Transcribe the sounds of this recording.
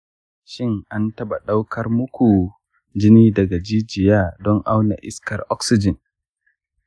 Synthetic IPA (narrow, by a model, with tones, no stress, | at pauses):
ʃɪ˦ŋʔa˦ntɐ˦ɓa˨ɗa˦wkʰɐ˦rmʊ˦kʷu˨ | d͡ʒɪ˦niː˦dɐ˨ɡa˨d͡ʒiː˦d͡ʒɪ˨jaː˦dɔ˦ŋʔa˦wna̰˨ʔɪ˦skɐ˨rʔɔ˦ksɪ˦d͡ʒɪ˨n